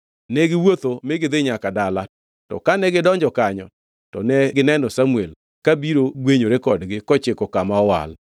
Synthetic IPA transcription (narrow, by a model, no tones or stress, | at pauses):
nɛɡɪwot̪omɪɡɪd̪ɪɲakadala | tɔ̰kanɛɡɪdɔɲd͡ʒɔkaɲɔ | tɔnɛɡɪnɛnɔsamuel | kabiɾoɡweɲoɾekɔdɡɪkɔt͡ʃɪkɔkamaɔwa̰l